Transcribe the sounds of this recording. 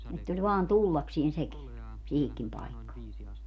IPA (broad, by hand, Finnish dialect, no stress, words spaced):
etː olʲ ʋɑːn tulːɑksien seki siːhikːim pɑikːɑː